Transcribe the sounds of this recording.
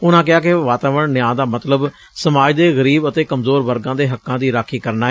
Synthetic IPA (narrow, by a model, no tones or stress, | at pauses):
ʊnãːk̬ɪaːkeʋaːt̪aːʋəɳːɪjãːd̪aːmət̪ləb | səmaːd͡ʒd̪eːɣəɾiːbət̪eːkəmzoːɾʋəɾɡãːd̪eːɦəkːãːd̪iːɾaːkʰiːkəɾnaːɛː